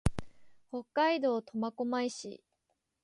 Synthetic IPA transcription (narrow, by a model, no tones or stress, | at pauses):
ho̞kːaid̪o̞ːt̪o̞mako̞maiɕḭ